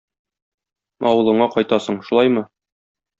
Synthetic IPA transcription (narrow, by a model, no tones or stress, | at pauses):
ɒwɤ̆lˠɤ̆ɴɑqɒjt̪ɑsɤɴʃulˠɑjmɤ